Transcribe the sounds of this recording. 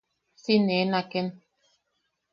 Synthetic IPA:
sinenãken

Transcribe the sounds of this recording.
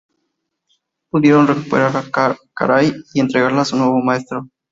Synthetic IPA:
puðjeɾonrekupḛɾaɾka̰ɾajient̪ɾeɣaɾlasunoeʋomaest̪ɾo

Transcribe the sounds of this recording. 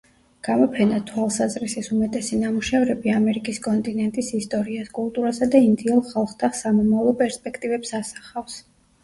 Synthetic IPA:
ɡ̥amɔpʰɛnat̪ʰwalˠsazɾisisumɛt̪ʼɛsinamuʃɛvɾɛbiamɛɾikʼiskʼɔnt̪ʼinɛnt̪ʼisist̪ʼɔɾiaskʼulˠt̪ʼuɾasad̪aind̪iɛlˠχalˠχt̪ʰaχsamɔmavlˠɔpʼɛɾspʼɛkʰt̪ʼivɛpsasḁχafs

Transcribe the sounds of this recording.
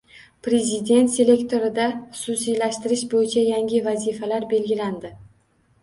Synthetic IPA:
pɾe̞zɪd̪e̞nt̪se̞le̞kt̪ʰo̞ɾɪd̪aχʊ̥susijlaʃt̪ɪɾɪʃbojɪt͡ʃʰajaŋʲɪvazifalaɾbe̞lɡʲɪland̪ɪ

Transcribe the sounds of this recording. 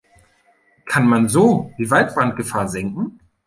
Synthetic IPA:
kʰanmanzoːd̥iːvalt̚b̥ʁant̚ɡ̥əfaːɐzɛŋkŋ̩

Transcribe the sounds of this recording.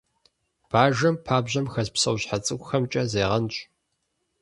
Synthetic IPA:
b̥aːʒɐmpʰaːbʑɐmxɐzpsɐwɕħat͡sʼɨkʷʊxɐmt͡ʃʼɐzeːʁɐnɕʼ

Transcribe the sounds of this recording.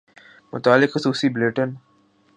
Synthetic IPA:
mʊ̰t̪aːlɪkxʊsuːsibleːʈən

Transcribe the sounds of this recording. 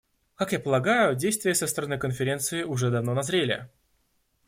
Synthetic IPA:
kakjapəlˠɐɡajʊdʲejst̪vʲɪjəsəst̪əɾɐnɨkənfʲɪɾʲe̞nt̪sɨɪʊʐɛd̪ɐvno̞nɐzɾʲelʲɪ̰

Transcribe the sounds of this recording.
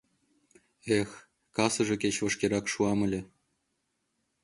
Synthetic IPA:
exʲ | kɑsɤ̆ʐɤ̆kʲet͡ɕʋɤ̆ʂkʲeɾɑkʂuɑmɤ̆lʲĕ

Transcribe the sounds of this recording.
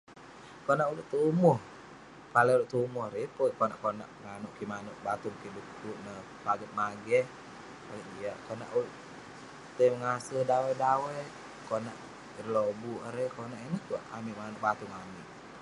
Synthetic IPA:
konaʔuluʔt̪umɔh | paleuluʔt̪umɔhɾipokonaʔkona̰ʔəŋanuʔkimanuʔbat̪uŋkidukkuʔnə | paɡət̪̚maɡɛh | paɡɛt̪̚d͡ʒiaʔkona̰ʔuluʔ | t̪eməŋasəhdawɛdawɛ | konaʔ | rlobuɾekonaʔinəht̪uaʔa̰miʔmanuʔbat̪uŋamiʔ

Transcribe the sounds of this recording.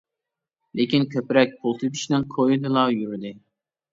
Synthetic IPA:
lekʲinkʲʰøpɾɛk̚ʲpʰolˠt̪ʰɨt̪ʰi̥ʃnɪŋkʰojd̪ɨlˠɑjyɾd̪ɪ

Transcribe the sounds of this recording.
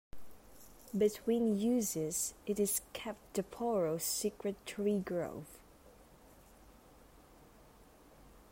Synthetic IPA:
bɨtʰwĩnjʉzɪzɨɾɨz̥kʰɛp̚td̥ɨpʰɔɹoʊsikɹɨtʰɹ̥iɡɹo̰ʊv̥

